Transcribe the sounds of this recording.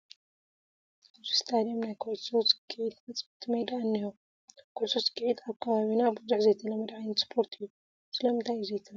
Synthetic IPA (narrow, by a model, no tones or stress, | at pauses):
zist̪ʰad̪iomnajkʰolsosɨ̥ɡɨʕid̪mɐt͡sʼbɨt̪ʰːɨmɐjd̪aɨnːiho | kʰolsosɨ̥ɡɨʕid̪aβkʰɐβaβinabuzuħzɐjt̪ʰɨlɐmɐd̪ʕajɪnspʰo̞ɾt̪ʰɨjːu | sɨlɐmɨnt̪ʰajzejt̪ʰɨl